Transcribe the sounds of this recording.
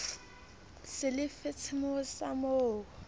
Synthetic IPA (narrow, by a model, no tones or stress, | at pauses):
sɪlɪfɪt͡sʰɪmosamoːkʊ